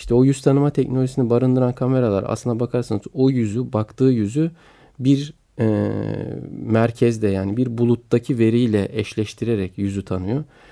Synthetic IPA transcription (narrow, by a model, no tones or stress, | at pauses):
iʃt̪ʰɛojyz̥t̪ʰanɯmat̪ʰɛcnolʲoʒisinibaɾɯnd̪ɯɾankʰame̞ɾalˠa̰ɾa̰slɯnd̪abakʰaɾsanɯzojyzybakt̪ʰɯːjyzy | biɾ | ɛ | mæɾcʰɛzd̪ɛjaːnibiɾbulˠut̪d̪acʰive̞ɾijlʲɛʔɛʃlʲɛʃt̪ʰiɾe̞ɾɛcjyzyt̪ʰanɯjo